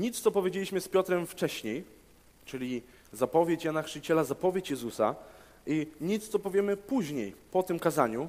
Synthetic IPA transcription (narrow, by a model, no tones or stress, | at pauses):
ɲit̪st̪ɔpɔvʲed͡ʑelʲiɕmɘspʲjɔt̪ɾɛmft͡ʂɛɕɲej | t͡ʂɘlʲi | zapɔvʲjet͡ɕjanaxʂɘt͡ɕɛlazapɔvʲjet͡ɕjɛzusa̰ | ʔiɲit̪st̪ɔpɔvʲjɛmɘpuʑɲejpɔt̪ɘmkazaɲu